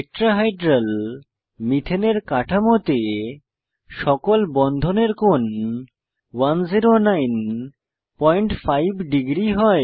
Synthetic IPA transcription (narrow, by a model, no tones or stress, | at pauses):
ek̚ʈɾaɦajɖɾal | mit̪ʰeneɾkaʈʰamot̪e | ʃɔkolbɔnd̪ʱoneɾkon | wanziɾonajn | pɔjɳʈfʰajbʱɖiɡɾiɦɔe